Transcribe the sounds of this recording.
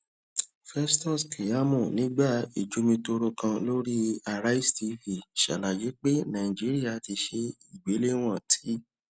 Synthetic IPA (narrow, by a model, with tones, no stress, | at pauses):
fɛ˦stɔ˦˨ski˨ja˨˦mũ˦˨nĩ˨˦ɡ͡ba˦˨ḭ˨d͡ʒu˨˦mĩ˧to˧ɾo˧kã˧lo˦ɾi˦a˧ɾa˦i˦sti˧fi˨ʃa̰˨la˨je˨˦k͡pe˦nã˨ĩ˨d͡ʒi˨˦ɾi˦a˦˨ti˧ʃe˧i˨ɡ͡be˨˦le˦w̃ɔ̃˦˨tʰi̥˨˦